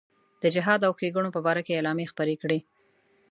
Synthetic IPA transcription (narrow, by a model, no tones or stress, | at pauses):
d̪̥əd͡ʒɪɦɑd̪awxeɡuɳopəbɑɾakeːlɑmjexpəɾekɽe